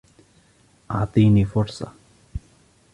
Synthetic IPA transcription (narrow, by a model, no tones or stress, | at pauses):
at̪inifɔɾsa̰